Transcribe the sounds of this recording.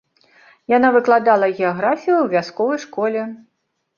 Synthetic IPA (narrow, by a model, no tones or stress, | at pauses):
janavɨklˠad̪alˠɐɣʲɛaɣɾafʲijuwvʲaskɔvɐjʂkɔlʲɛ